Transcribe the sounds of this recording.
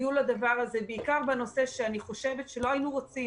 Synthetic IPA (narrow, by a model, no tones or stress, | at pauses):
julad̪avaʁaze̞beikaʁbano̞se̞ʃeaniχo̞ʃe̞ve̞tʃelo̞ainuʁot͡si